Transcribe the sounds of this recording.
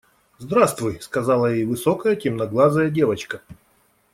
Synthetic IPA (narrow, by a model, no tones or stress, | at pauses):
zd̪ɾast̪vʊjskɐzalˠəjejvɨsokəjətʲɪmnɐɡlˠazəjədʲe̞vət͡ɕkə